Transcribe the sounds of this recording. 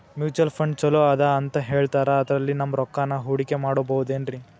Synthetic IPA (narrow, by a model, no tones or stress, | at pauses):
mjuːt͡ʃɐlpʰɐɳɖt͡ʃɐloːd̪ɐːnt̪ɐɦe̞ːɭt̪aːɾɐːd̪ɐɾɐlːinɐmːɐɾɔkːaːnːɐɦuːɽikemaːɽobɐud̪eːnɾi